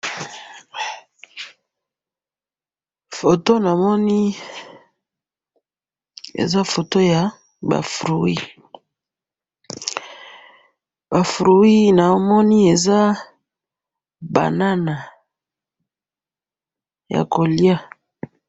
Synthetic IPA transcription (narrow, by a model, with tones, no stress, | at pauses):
fo˨to˦na˨mɔ˦ni˦ | ḛ˨za˦fo˨to˦ja˨ | ba̰˨fʁu˨wi˦ | ba˨fɾu˨wi˦na˨o˦mɔ˦ni˦e˨za˦ | ba̰˨na˦na˨ | ja̰˨ko˨li˦a˦